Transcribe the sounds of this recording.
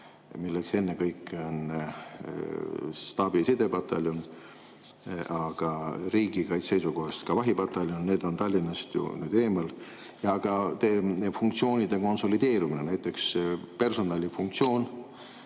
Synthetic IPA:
milːekse̞nːekɤjkːˑeo̞n | st̪ɑːb̥isid̪e̞b̥ɑt̪ːɑ̰lʲjon | ɑɡ̥ɑɾiːɡ̥ikɑjt̪se̞jsuko̞hest̪kɑvɑɦib̥ɑt̪ːˑɑlʲjonne̞ːd̪̥o̞nt̪ɑlʲːinːɑst̪jṵny̰ːd̪e̞ːmɑl | jɑɡ̥ɑt̪efuŋk̚t̪sio̞ːnʲid̪e̞ko̞nso̞lid̪̥e̞ːɾuminenæjt̪ːˑe̞kspe̞rso̞nɑlʲifuŋk̚t̪sio̞ːn

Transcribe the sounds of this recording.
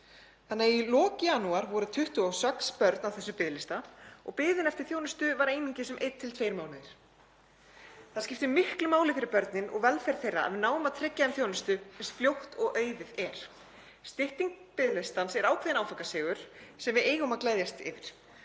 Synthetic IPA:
θanːailɔːcanuaɾvɔɾʏt̪ʰʏht̪ʏawsɛkspœɾt̪nawθɛsːʏpɪðlɪst̪aɔ̰ɣpɪːððɪnɛft̪ɪ̥ɾ̥θjoːwnʏst̪ʏvaɾejniɲcɪsɛmʔejt̪ʰːɪlt̪ʰfeːjɾmaːwnɪðɪɾ̥ | θaðscɪft̪ɪmɪhklʏmaːwlɪfɪɾɪɾpœɾt̪nɪnʔɔ̰ɣvɛlfɛjɾθejra̰a̰ðvɪnaːwʏmaðt̪ʰɾɪcːaðɛmθjownʏst̪ʏsɛnst̪fljowht̪ɔɣʔœːɥðɪðɛɾ̥ | st̪ɪht̪iŋk̚ | pɪðlɪst̪ansɛɾaːwkʰvɛðɪnawfakasɪːɣʏɾ̥sɛmvɪðeːjɣʏmaðklaːjðjast̪ɪ̰ːvɪɾ̥

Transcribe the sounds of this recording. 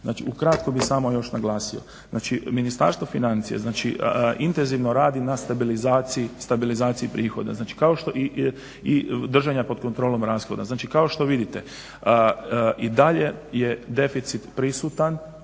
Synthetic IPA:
zna̰ːt͡ʃiukɾat̪kobixsaːmojo̞ʃnaɡlˠaːsio̞̰ | zna̰ːt͡ʃiminist̪a̰ɾst̪ʋo̞finant̪sijḛznaːt͡ʃḭʔint̪enziʋnoɾaːd̪inast̪abilizaːt̪sijist̪abilizaːt̪siipɾʔiːxo̞̰d̪a̰znaːt͡ʃi̥kao̞ʃt̪o̞ʔi | id̪r̩ʒaɲapo̞d̪ko̞nt̪ɾo̞ːlo̞mɾaːsxo̞d̪aznaːt͡ʃikao̞ʃt̪o̞ʋid̪it̪e̞ | id̪aʎe̞je̞d̪e̞fit̪sit̪pɾisut̪an

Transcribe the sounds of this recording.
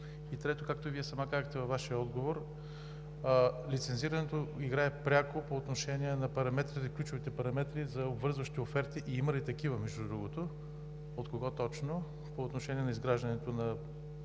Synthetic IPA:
it̪ɾɛt̪okak̚t̪oviɛsɐmakazəxt̪ɛvɐvːaʃiəɔd̪ɡovoɾ | lit̪sɛnziɾɐnɛt̪oiɡɾaɛpɾʲakopoːt̪noʃɛniɛnɐpɐɾɐmɛt̪ɾit̪ɐklʲut͡ʃʊvit̪ɛpɐɾɐmɛt̪ɾizɐobvɤɾzvɐʃt̪iofɛɾt̪iʔiimɐlit̪ɐkivəmɛʒd̪ud̪ɾuɡot̪o | ot̪koɡɔt̪ɔt͡ʃno | poːt̪noʃɛnʲiɛnɐizɡɾaʒd̪ɐnɛt̪onɐ

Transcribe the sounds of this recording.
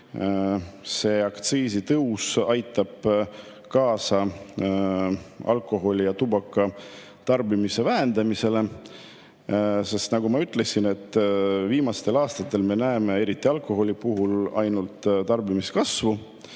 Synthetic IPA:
se̞ːɑkt̪siːsit̪ɤusɑjt̪ːˑɑb̥ | kɑːsɑ | ɑ̰lkˑo̞ɦo̞lʲijɑt̪ubɑkːˑɑ | t̪ɑrbimise̞væend̪̥ɑmise̞le̞ | se̞st̪nɑɡumɑyt̪ːˑle̞sine̞t̪ːˑviːmɑst̪e̞lɑːst̪ɑt̪ˑːe̞lme̞næeme̞e̞ɾit̪ːˑiɑlkˑo̞ɦo̞lʲipuɦulɑ̰jnult̪t̪ɑrbimiskɑsvu

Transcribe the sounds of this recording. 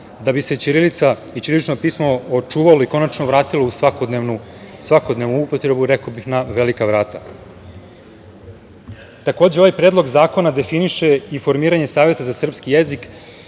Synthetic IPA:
d̪abiset͡ʃiɾilit̪sait͡ɕiɾilit͡ʃno̞piːsmo̞ot͡ʃuːʋalo̞iko̞nat͡ʃnoʋɾaːt̪ilo̞usakod̪nenu | sʋako̞d̪ne̞ʋnuupo̞t̪ɾe̞buɾekobixnaʋe̞likaʋɾaːt̪a̰ | t̪ako̞ːd͡ʑeo̞ʋajpɾeːd̪lo̞ɡzaːko̞nad̪e̞finiʃe̞ifo̞ɾmiːɾaɲe̞saːʋje̞t̪azasr̩pskijezik

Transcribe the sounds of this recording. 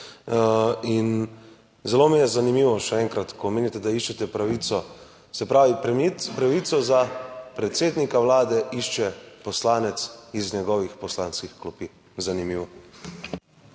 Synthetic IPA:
in | zɛloːmijɛzanimiːʋɔʃɛɛːŋkɾat̪kɔmeːnit̪ɛd̪aiʃt͡ʃɛt̪ɛpɾaʋiːt̪sɔ | sɛpɾaːʋipɾaʋit̪sɔzapɾɛt̪seːd̪nikaʋlaːd̪ɛiʃt͡ʃɛpɔslaːnɛt̪sizɲɛɡɔʋixpɔslaːnskixklɔpi | zanimiːʋɔ

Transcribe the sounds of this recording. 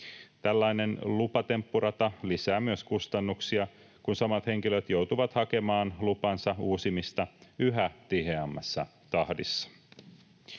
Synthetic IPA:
t̪ælːɑjne̞nlupɑt̪e̞mpːuɾɑt̪ɑlisæːmyøskust̪ɑnːuksiɑ | kunsɑmɑt̪he̞ŋkiløt̪jo̞wt̪uʋɑt̪hɑke̞mɑːnlupɑnsɑuːsimist̪ɑyɦæt̪iheɑmːɑsːɑ̰ | t̪ɑhdisːɑ̥

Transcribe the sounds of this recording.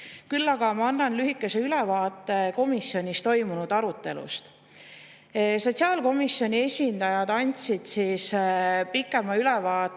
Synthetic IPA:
kylːɑɡ̥ɑmɑɑnːɑnlyɦikːˑe̞se̞ylevɑːt̪ːˑe̞ko̞misːjo̞nʲist̪o̞jmunud̪̥ɑɾut̪ˑːe̞lṵst̪ | so̞t̪ʲsiɑːlko̞misːjo̞nʲie̞sʲind̪̥ɑjɑd̪̥ɑnʲt̪sid̪̥siːspikːˑe̞mɑylɛvɑː

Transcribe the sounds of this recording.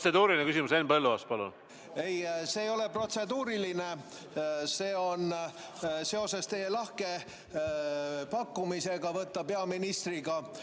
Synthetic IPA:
sed̪uːɾilinekysimusenbelːuɑst̪̚pɑlṵn | e̞jse̞ːjo̞le̞pro̞t̪se̞d̪uːɾiline̞ | se̞ːo̞n | se̞o̞se̞st̪e̞je̞lɑhke̞ | pɑkːumise̞ɡɑvɤt̪ːɑpeɑminist̪riɡɑ

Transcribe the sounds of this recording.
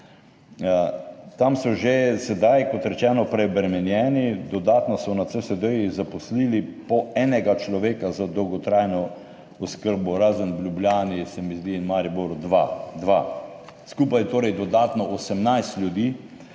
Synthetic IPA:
t̪amsɔʒesɛd̪ajkɔt̪ɾɛt͡ʃɛːnɔpɾɛbɾɛmɛnjɛːnid̪ɔd̪aːt̪nɔsɔnat̪səsɛd̪əjzapɔsliːlipɔɛnɛɡat͡ʃlɔʋeːkazad̪ɔwɡɔt̪ɾajnɔ | ɔskəɾbɔɾaːzənblʲjubljaːnisɛmizd̪inmaɾiboɾʊd̪ʋad̪ʋaskuːpajt̪oːɾɛjd̪ɔd̪aːt̪nɔʔosɛmnajst̪lʲjud̪iː

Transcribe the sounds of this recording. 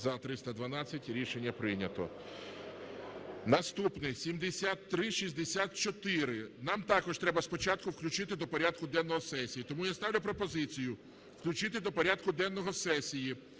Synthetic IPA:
zɐt̪ɾɪst̪ɐd̪ʋɐnɑt͡sʲːɐtʲɾʲiʃenʲːɐpɾɪjnʲɐt̪ɔ̰ | nɐst̪upnɪsʲimd̪esʲat̪ːɾɪʃizʲd̪esʲat̪̚t͡ʃɔt̪ɪɾɪnɑmt̪ɑkɔʃt̪ɾɛbɐspɔt͡ʃɑt̪̚kʊwklʲʉt͡ʃɪt̪ɪd̪ɔpɔɾʲad̪kʊd̪ɛnːɔɦɔsɛsʲijit̪ɔmujast̪ɑwlʲɐpɾɔpɔzɪt͡sʲijʊ | wklʲʉt͡ʃɪt̪ɪd̪ɔpɔɾʲad̪kʊd̪ɛnːɔɦɔsɛsʲiji

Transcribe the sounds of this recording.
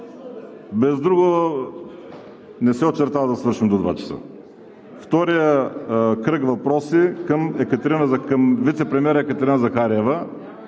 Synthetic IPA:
bɛzd̪ɾuɡʊ | nɛsɛot̪t͡ʃɛɾt̪avɐd̪ɐsvɤɾʃimd̪od̪va̰t͡ʃɐ̥sə̰ | ft̪ɔɾijəkɾəkvɐpɾɔsikəmɛkət̪ɛɾinəzɐkɐmvit̪sɛpɾɛmʲiɛɾəɛkət̪ɛɾinəzɐxaɾiɛvə

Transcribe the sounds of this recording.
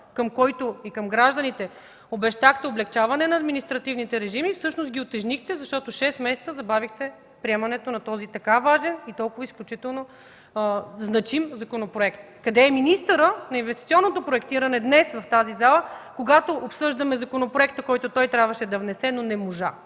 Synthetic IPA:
kəmkɔjt̪oikəmɡɾaʒd̪ɐnit̪ɛ | obɛʃt̪axt̪ɛoblɛkt͡ʃavɐnɛnɐːd̪minist̪ɾɐt̪ivnit̪ɛɾɛʒimifsɤʃnost̪ɡʲiot̪ɛʒnixt̪ɛzɐʃt̪ɔt̪ʊʃɛsmɛsɛt̪səzɐbavixt̪ɛ | pɾiɛmɐnɛt̪onɐt̪ɔzit̪ɐkavaʒɛnit̪ɔlˠkʊvəisklʲut͡ʃit̪ɛlˠno | znɐt͡ʃimzɐkonopɾoɛkt̪kɐd̪ɛːminist̪əɾənɐinvɛst̪it̪siɔnːot̪opɾoɛkt̪iɾɐnɛd̪nɛsvɐft̪azizalˠəkoɡat̪oʔːpsɤʒd̪ɐmɛzɐkonopɾoɛkt̪əkɔjt̪ʊt̪ɔjt̪ɾʲabvəʃɛd̪ɐvnɛsɛnonɛmoʒa̰

